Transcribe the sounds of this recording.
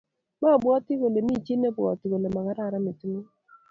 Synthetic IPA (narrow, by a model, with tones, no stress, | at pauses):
ma˦˨bʊ˨˦ɔ˦tɪ˦ɣo˨le˨mi˦˨t͡ʃe˦ne˦bwɔ̰˨tɪ˨ɣo˨le˨ma˨ɣa˦ɾa˦˨ɾa˦me˨tu˦nu˦